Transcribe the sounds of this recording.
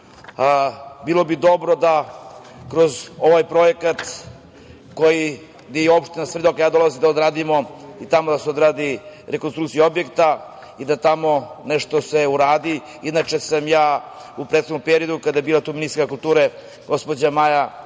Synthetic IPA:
biːlo̞bid̪o̞bɾo̞d̪a | kɾo̞zo̞ʋajpɾo̞jekat̪ | ko̞ji | ɡd̪ejeo̞pʃt̪inasʋed̪okajaːd̪o̞lˠazid̪aod̪ɾaːd̪imo̞it̪amod̪aseo̞d̪ɾaːd̪iɾekonst̪ɾukt̪sijuo̞bje̞kt̪a | id̪at̪amo̞neʃt̪ose̞uɾaːd̪i | idnat͡ʃe̞samjaː | upɾet̪xonompeɾijo̞d̪ukad̪ajebiːlat̪uːminiskakulˠt̪uːɾe | ɡo̞spo̞d͡ʑamaja

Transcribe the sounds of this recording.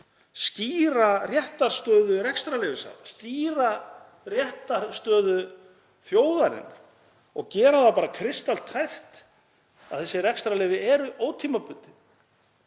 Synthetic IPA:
sciːɾarjɛht̪aɾ̥st̪œːðʏɾɛkst̪ɾalɛːvɪsa̰ːða̰st̪iːɾa | rjɛht̪aɾst̪œːðʏ | θjoːwðaɾɪ̰n | ɔɣcɛːɾaðapaːɾakʰɾɪst̪al̥t̪ʰːajr̥t̪ | aðθɛsːɪrɛkst̪ɾalɪːvɪɛɾʏʔoːwt̪ʰiːmapʏnt̪ɪ

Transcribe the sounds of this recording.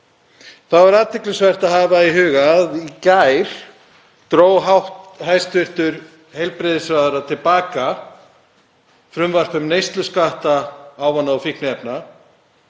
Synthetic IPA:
θawaɾaːt̪ʰɪklʏsvɛr̥t̪aðhɦaːvaiɦʏːɣaðicajɾ̥ | t̪ɾoːwɦawht̪hajst̪vʏr̥t̪ʏɾ | hejlpɾɪðɪsvaðʏɾat̪ʰɪlpaːka | fɾʏmvar̥pʏmnejst̪lʏskaht̪aaːwvanːaɔfihknʏɛpna

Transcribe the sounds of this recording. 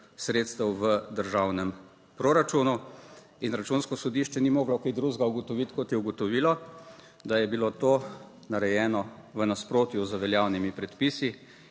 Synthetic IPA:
sɾeːt̪st̪əwʋəd̪əɾʒawnɛm | pɾoɾat͡ʃuːnu | inɾat͡ʃunskɔsɔd̪iʃt͡ʃɛnimoːɡlakid̪ɾuːzɡauɡɔt̪ɔʋit̪kɔt̪jɛuɡɔt̪ɔʋiːlɔ | d̪ajɛbilot̪oː | naɾɛjɛːnɔʋənaspɾoːt̪juzəʋɛljaːwnimipɾɛt̪piːsi

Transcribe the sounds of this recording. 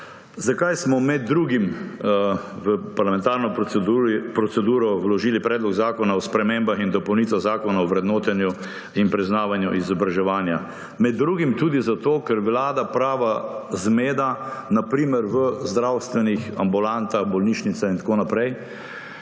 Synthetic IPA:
zakajsmɔmɛd̪ːɾuːɡim | ʋəpaɾlamɛ̃nt̪aːɾnɔ | pɾɔt̪sɛd̪uːɾɔwlɔʒiːlipɾɛːd̪lɔɡzaːkɔnaɔspɾɛmembaxind̪ɔpɔwniːt̪ʋaɣzaːkɔnaɔʋɾɛd̪noːt̪ɛnju | inpɾiznaːʋanjuʔizɔbɾaʒɛʋaːnja | mɛd̪ːɾuːɡimt̪uːd̪izat̪oːkɛɾʋlaːd̪apɾaːʋazmeːd̪anapɾiːməɾʋəzd̪ɾawst̪ʋɛnixambulant̪aɣbɔlniːʃnit̪saint̪ḁkonapɾɛj

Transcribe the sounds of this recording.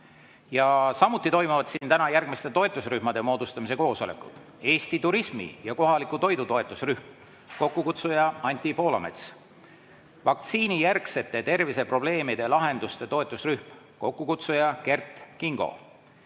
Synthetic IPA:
jɑsɑmut̪ːˑit̪o̞jmuvɑd̪sint̪ænɑjærɡ̥mist̪e̞t̪o̞e̞t̪ːˑusryhmɑd̪e̞mo̞ːd̪ust̪ɑmise̞ko̞ːso̞le̞̰kˑud̪̥ | e̞ːst̪it̪uɾismḭjɑko̞ɦɑlikˑut̪o̞jd̪ut̪o̞e̞t̪ːˑusryhm | ko̞kːukut̪sujɑɑnʲt̪ʲːˑipo̞ːlɑ̰me̞̰t̪s | vɑk̚t̪siːnijærkse̞t̪ːˑe̞t̪e̞rvise̞pro̞b̥le̞ːmid̪̥e̞lɑɦe̞nd̪ust̪e̞t̪o̞e̞t̪ˑːusryhm | ko̞kːukut̪sujɑke̞rt̪ˑkiŋɡ̥o̞̰

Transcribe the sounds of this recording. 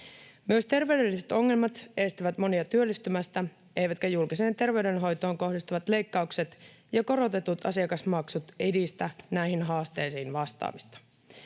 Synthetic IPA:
myøst̪e̞rʋe̞yde̞lːiset̪o̞ŋːe̞lmɑt̪est̪iʋæt̪mo̞niɑt̪yø̞lːist̪ymæst̪æ | e̞jʋæt̪kæjulkise̞ːnt̪e̞rʋe̞yɥdenɦo̞jt̪o̞ːŋko̞hdist̪uʋɑt̪le̞jkːɑukse̞t̪ | jɑko̞ɾo̞t̪e̞t̪ut̪ɑ̰siɑkɑsmɑksut̪edist̪ænæiɦinɦɑːst̪e̞ːjsiːnʋɑst̪ɑ̰ːmist̪ɑ̥

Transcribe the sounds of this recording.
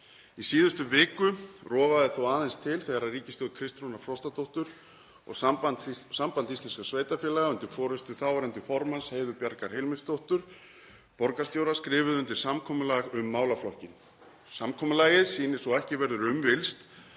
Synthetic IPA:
isiːðʏst̪ʏvɪːkʏrɔːvaðɪθowaːðɛnst̪ʰɪlθɛɣaɾaðriːcɪst̪jowðkʰɾɪst̪ɾunaɾfɾɔst̪at̪ʰowht̪ʏɾ̥ | ɔ̰ɣsampasampant̪ist̪lɛnskasveːjt̪afjɛːlaɣaʏnt̪ɪɾ̥fɔːɾʏst̪ʏθaːwvaɾɛnt̪ɪ̥fɔɾmansheːjðʏpjaɾkaɾ̥hejlmɪst̪owht̪ʏɾ̥ | pɔɾkast̪jowɾaskɾɪːvʏðʏnt̪ɪɾ̥samkʰɔːmʏlaɣʏmːaːwlaflɔhcɪn | samkʰɔːmʏlaːjɪðsiːnɪsɔɛhcɪvɛɾðʏɾʏmvɪlst̪

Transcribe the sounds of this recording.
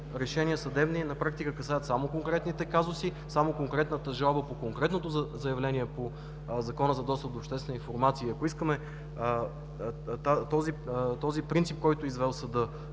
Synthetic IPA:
ɾɛʃɛniəsɐd̪ɛbninɐpɾak̚t̪ikəkɐsajət̪samokoŋkɾɛt̪nit̪ɛkazosi | samokoŋkɾɛt̪nət̪əʒalˠbəpokoŋkɾɛt̪not̪ozɐjɐvlɛniɛpo | zɐkɔnəzɐd̪ɔst̪əp̚d̪oːpʃt̪ɛst̪vɛnəinfoɾmat̪siːɐkoiskəmɛ | t̪at̪ɔzit̪ɔzipɾint̪sip̚kɔjt̪ʊizvɛlˠsɐd̪ɤ

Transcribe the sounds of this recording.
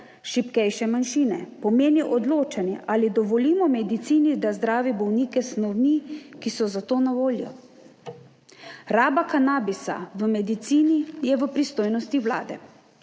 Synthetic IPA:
ʃipkɛjʃɛmanʃiːnɛpɔmeːniʔɔd̪loːt͡ʃanjɛ̰ʔalid̪ɔʋɔliːmɔmɛd̪it̪siːnid̪azd̪ɾaːʋibɔwniːkɛsnɔwnikisɔzat̪oːnaʋoːljɔ̰ | ɾaːbakanaːbisa̰ʋəmɛd̪it̪siːnijɛʋəpɾist̪oːjnɔst̪iwla̰ːd̪ɛ̰

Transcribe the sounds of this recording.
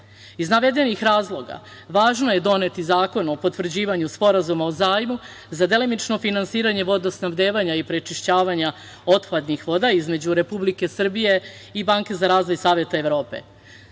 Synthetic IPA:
iznaʋe̞d̪e̞nixɾaːzlˠo̞ɡa̰ | ʋaːʒno̞je̞d̪o̞ne̞t̪izaːko̞no̞po̞t̪ʋr̩d͡ʑiːʋaɲuspo̞ɾazumaozaːjmu | zad̪e̞limit͡ʃno̞finansiːɾaɲe̞ʋo̞d̪asnaʋd̪eːʋaɲaipɾet͡ʃiʃt͡ɕaːʋaɲa | o̞t̪pad̪nixʋo̞d̪aizme̞d͡ʑuɾe̞publike̞sr̩bije̞ibaːŋke̞zaɾaːzʋo̞jsaːʋje̞t̪aeʋɾo̞ːpe̞̰

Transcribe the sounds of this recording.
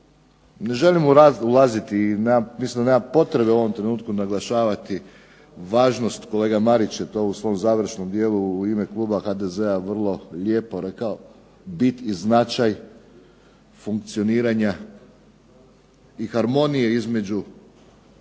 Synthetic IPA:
ne̞ʒe̞limuulazit̪inemammislimd̪aneːmampo̞t̪ɾe̞beuoʋo̞mt̪ɾe̞nuːt̪̚kunaɡlˠaʃaːʋat̪i | ʋaːʒno̞st̪ko̞le̞ːɡamaɾit͡ɕjet̪o̞usʋo̞ːmzaːʋɾ̩ʃno̞md̪je̞ːluime̞klˠuːbaxaːd̪eze̞aʋr̩lˠo̞ʎe̞ːpo̞ɾe̞kao | bit̪iznat͡ʃaj | fuŋk̚t̪sio̞niːɾaɲa | ixaɾmo̞nije̞izme̞d͡ʑu

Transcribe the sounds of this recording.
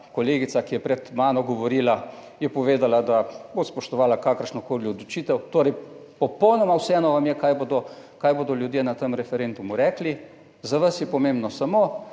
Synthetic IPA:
kɔleːɡit̪sakijɛpɾɛt̪maːnɔɡɔʋoɾiːla | jɛpɔʋeːd̪alad̪abospɔʃt̪ɔʋaːlakaːkəɾʃnɔkoːliɔd̪lɔt͡ʃiːt̪ɛwt̪oːɾɛjpɔpɔwnɔmawsɛɛːnɔʋamjɛkajbod̪ɔkaːjboːd̪ɔljud̪jeːnat̪əmɾɛfɛɾend̪umuɾɛːkli | zaʋasjɛpɔmẽmbnɔsamoː

